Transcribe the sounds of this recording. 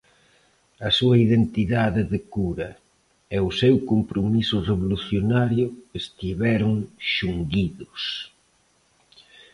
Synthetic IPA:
ɐsuɐiðent̪iðaðɪðɪkuɾɐ | eʊsɛwkompɾomisʊreβoluθjonaɾjʊest̪iβɛɾʊŋʃuŋɡiðʊs

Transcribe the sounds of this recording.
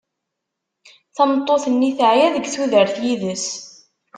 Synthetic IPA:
θɑnət̪ˤːoθənːiθəʕjæðəɡθuðəɾθjiðəs

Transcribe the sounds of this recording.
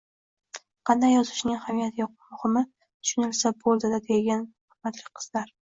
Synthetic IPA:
qʰɑnd̪ajːɒzɪʃnɪŋhamijat̪ʰɪjɒq̚mʊhɪmɪ | t̪ʰʊ̥ʃʊnɪlsabolˠd̪ɪd̪ad̪eɡʲanhʊmat̪ʰlɪkʲqʰɨ̥z̥laɾ

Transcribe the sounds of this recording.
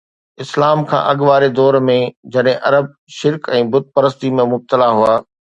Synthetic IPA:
ɪslaːmkʰã̰ʔɐɠʋaːɾed̪ɔːɾmẽd͡ʑɐɗɦɪ̃ʔɐɾəb̚ | ʃɪɾkɛ̃ːbʊd̪̚pɐɾəst̪imẽmʊb̚t̪əlaɦuaː

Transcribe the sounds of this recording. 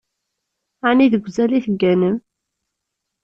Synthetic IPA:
aniðəɡʷzæliθəɡːænəm

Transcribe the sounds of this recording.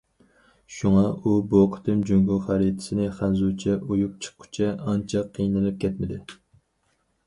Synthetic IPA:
ʃuŋɑuboqʰə̥t̪ʰɨmd͡ʒøŋɡuχæɾit̪ʰɪ̥sɪnɪχænzut͡ʃʰɛʔojuq̚t͡ʃʰə̥qʰːʊ̥t͡ʃʰɛɑnt͡ʃʰɛqʰːijnɨlˠɨp̚kʲʰɛt̪mɪd̪ɪ

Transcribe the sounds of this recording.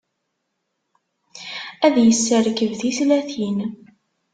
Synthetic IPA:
æðjəsːəɾkəvθiθlæθin

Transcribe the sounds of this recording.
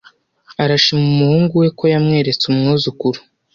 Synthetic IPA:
aɾaʃimumuhuːŋɡuwe̞kojamŋe̞ːɾe̞t͡sumŋuːzukuɾu̥

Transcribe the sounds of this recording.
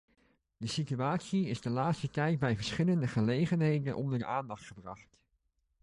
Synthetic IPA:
dəsityaːtsiɪzdəlaːtstətɛjd̚bɛjvəɹsχɪləndəχəlejχənɦejdənʔɔ̰ndəraːndɑχtχəbrɑχt

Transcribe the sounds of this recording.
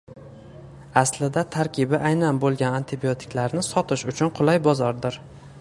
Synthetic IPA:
aslɪd̪at̪ʰaɾkʲʰɪbɪʔajnanbolˠɡʲanant̪ʰɪbiot̪ʰɪ̥kʲlaɾnɪsɒt̪ʰɪʃʊt͡ʃʰʊnqʰʊlˠajbɒzɒɾd̪ɪɾ

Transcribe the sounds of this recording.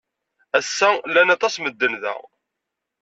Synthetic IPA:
æsːælːænɑt̪ˤɑsməd̪ːənðæ̰

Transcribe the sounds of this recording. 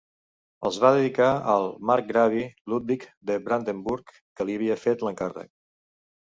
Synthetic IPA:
ə̰lˠzβaðəðikaəlˠmaɾk̚ɡɾaβilut̪̚bikd̪əbɾand̪əmbuɾkːəliəβ̞iəfet̪ləŋkarə̰k̚

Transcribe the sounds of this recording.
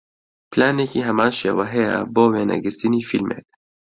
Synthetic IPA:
plaːneːkiːɦɛmaːnʃeːwɛɦɛjɛ̰boːweːnɛ̰ɡɨɾt̪ɨniːfilmʔḛːk̚

